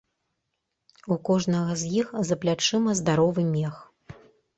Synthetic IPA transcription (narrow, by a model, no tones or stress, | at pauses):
ukɔʐnɐɣɐzʲjixzɐplʲat͡ʂɨmɐzd̪aɾɔvɨmʲɛx